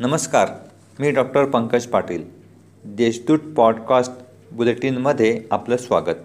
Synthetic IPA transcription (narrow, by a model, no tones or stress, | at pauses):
nəməskaɾ | miːɖɔk̚ʈəɾpəŋkəd͡ʑpaʈiːl | d̪eɕd̪uːʈ̚pɔɖkasʈ | buleʈiːnməd̪ʱːjeapləsʋaɡət̪̚